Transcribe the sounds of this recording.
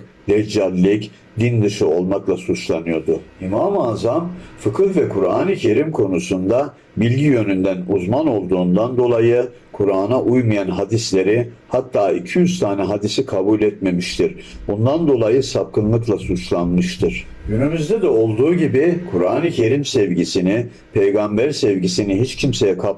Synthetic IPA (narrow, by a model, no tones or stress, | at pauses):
d̪ɛd͡ʒalʲːic | d̪ind̪ɯʃɯo̞lˠmaklˠasut͡ʃlˠanɯjo̞d̪ʊimamaːzamfɯkʰɯlvɛkʰuɾa̰ːnicʰe̞ɾimkʰo̞nusund̪a | bilʲɟijø̞nynd̪ænuzmano̞lˠd̪uːnd̪and̪o̞lˠajɯ | kʰuɾaːnaʔujmijanɦad̪islʲe̞ɾi | hat̪ʰːaːicʰijyzt̪ʰaːnɛɦad̪isikʰabuːlʲɛt̪me̞miʃt̪ʰiɾ | bund̪and̪o̞lˠajɯsap̚kʰɯnlˠɯklˠasut͡ʃlˠanmɯʃt̪ʰɯɾ̥ | ɟynymyzd̪ɛd̪ɛo̞lˠd̪uːɟibikʰuɾaːnicʰe̞ɾimsɛvɟisini | pʰejɡambæɾsɛvɟisiniɦit͡ʃcʰimse̞jɛkʰa